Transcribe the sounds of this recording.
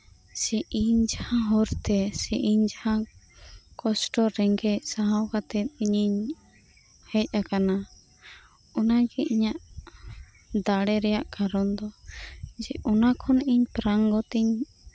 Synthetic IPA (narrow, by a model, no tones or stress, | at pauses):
sɛʔiɲd͡ʒahãɦɔɾt̪ɛsɛʔiɲd͡ʒahã | kɔsʈɔɾɛŋɡɛc̚saɦawkat̪ɛt̪̚ˀiɲiɲ | hɛc̚ˀakana | ɔnaɡɛʔiɲaʔ | d̪aɽɛɾɛjaʔkaɾɔnd̪ɔ | d͡ʒɛʔɔnakʰɔniɲpɾaŋɡɔt̪iɲ